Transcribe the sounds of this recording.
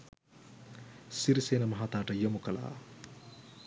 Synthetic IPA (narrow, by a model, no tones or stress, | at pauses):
siɾiseːnɐmɐɦaːt̪aːʈɐjəmukɐla̰ː